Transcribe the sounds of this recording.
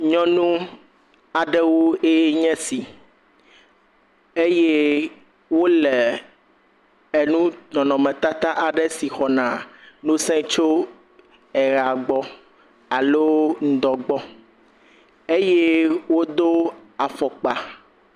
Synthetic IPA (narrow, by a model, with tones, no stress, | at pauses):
ɲɔ̃˦nũ˦ | a˨ɖɛ˦wo˦e˦ɲɛ̃˦si˨ | e˦je˦ | wo˦lɛ˨ | e˨nũ˦nɔ̃˨nɔ̃˨mɛ̃˨t̪a˦t̪a˦ʔa˨ɖɛ˦si˨xɔ˨nã˨nõ˦sɛ̃˦t͡ʃo˦ | ɛ˨ɾa˨ɡ͡bɔ˦ | a˨lo˦ŋ̩˨˦d̪ɔ˨ɡ͡bɔ˦ | e˦je˦wo˦d̪o˦a˨fɔ˨k͡pa˨